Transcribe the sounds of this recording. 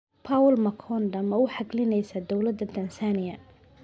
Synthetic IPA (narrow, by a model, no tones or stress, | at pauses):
pʰawlmɐkʰɔnd̪ɐmɐʊħɑɡlɪnɛjsɐd̪ɔwlɐd̪ːɐt̪ʰɐnsaːnɪjɐ